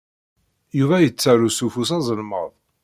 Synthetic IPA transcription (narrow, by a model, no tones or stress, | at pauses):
juvæjət͡sːæɾusufusɑzˤəlmə̰ðˤ